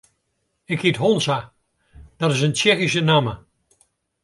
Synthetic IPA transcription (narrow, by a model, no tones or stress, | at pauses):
ɪkhitɦonsa | d̥ɔɾɪsənt͡ʃɛxis̬ənamə